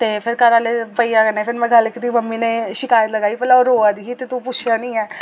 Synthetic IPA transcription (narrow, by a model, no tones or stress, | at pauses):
t̪eːpʰɪɾkəɾaːleːpəiːaːkənẽːpʰɪɾmɛ̃ːɡəlkd̪iːməmːiːneːʃɪkaːjət̪ləɡaːiːpəlaoɾoːad̪iːɦiːt̪eːt̪ũːpʊt͡ʃʰjaːnĩːɛː